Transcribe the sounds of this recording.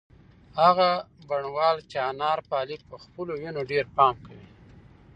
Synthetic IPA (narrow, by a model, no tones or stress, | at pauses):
haɣabaɳwɑlt͡ʃanɑɾpɑlipəxpəlojunoɖeɾpɑmkawi